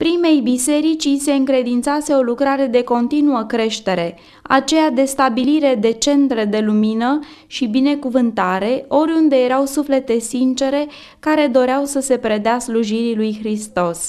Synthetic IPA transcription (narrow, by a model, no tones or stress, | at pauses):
pɾime̞jbise̞ɾit͡ʃise̞ɨŋkɾe̞d̪int̪sase̞o̞lukɾaɾe̞d̪e̞ko̞nt̪inuəkɾe̞ʃt̪e̞ɾe̞ | a̰t͡ʃe̞jad̪e̞st̪abiliɾe̞d̪e̞t͡ʃe̞nt̪ɾe̞d̪e̞luminə | ʃibine̞kuvɨnt̪aɾe̞o̞ɾʲund̪e̞je̞ɾawsufle̞t̪e̞sint͡ʃe̞ɾe̞ | kaɾe̞d̪o̞ɾeawsəse̞pɾe̞d̪easluʒiɾilujxɾist̪o̞s